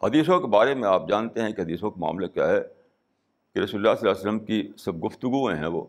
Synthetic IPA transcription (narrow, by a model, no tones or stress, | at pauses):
hɐd̪iːs̬õkebaːɾemẽaːp̚d͡ʒaːnt̪eɦɛ̃kiɦɐd̪iːsõkema̰ːmlekja̰ɦɛ | kiɾɐsuːllːaːsəlaːsələmkisɐb̚ɡʊft̪ʊɡuẽɦɛ̰̃ʋo̰ː